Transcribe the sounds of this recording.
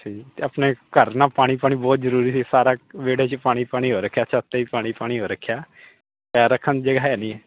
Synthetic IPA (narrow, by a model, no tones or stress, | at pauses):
sʰiːt̪eːəpneːkəɾnaːpaːɽ̃iːpaːɽ̃iːbɔːt̪zəɾuːɾiːsiːsaːɾaːʋeːɽaːt͡ʃpaːɽ̃iːpaːɽ̃iːɦoːɾəkʰːjaːt͡ʃʰat̪ːeːiːpaːɽ̃iːpaːɽ̃iːɦoːɾəkʰːjaː | pɛːɾəkʰːənd͡ʒəɡaːɦɛːnĩːɛː